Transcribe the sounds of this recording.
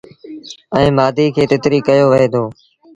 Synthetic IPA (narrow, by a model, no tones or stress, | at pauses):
ɛ̃ːmaːd̪iːkʰeːt̪ɪt̪ɾiːkəjoːʋɪɦeːt̪ʰoː